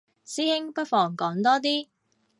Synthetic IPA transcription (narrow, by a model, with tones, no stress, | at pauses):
siː˥hɪ˥ŋpɐ˥t̚fɔː˨˩ŋkɔː˨˥ŋt̪ɔː˥t̪̬iː˥